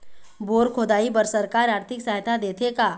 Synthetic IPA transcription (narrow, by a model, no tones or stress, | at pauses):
boːɾkʰoːd̪aːibəɾsɐɾkaːɾaːɾt̪ʰɪksaɦt̪ʰad̪eːt̪ʰeka